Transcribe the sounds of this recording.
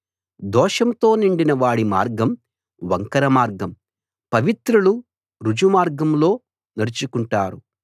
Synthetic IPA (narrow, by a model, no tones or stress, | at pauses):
d̪ɔːʂɐmt̪o̞ːniɳɖinɐʋaːɽima̰ːɾɡɐm | ʋɐŋkɐɾɐmaːɾɡɐm | pɐʋit̪ɾulu | ɾud͡ʒumaːɾɡɐmlo̞ː | nɐɾut͡ʃukuɳʈaːɾu